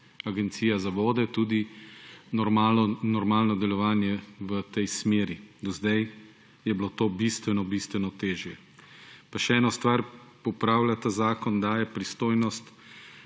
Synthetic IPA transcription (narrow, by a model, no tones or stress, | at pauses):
aɡɛnt̪siːjazaʋoːd̪ɛt̪uːd̪i | nɔɾmanɔɾmaːlnɔd̪ɛlɔʋaːnjɛʋət̪ɛjsmeːɾid̪ɔzd̪aj | jɛblot̪oːbist̪ʋɛnɔbist̪ʋɛnɔt̪eːʒjɛ | paʃɛɛːnɔst̪ʋaɾpɔpɾaːwlat̪azaːkɔnd̪aːjɛpɾist̪oːjnɔst̪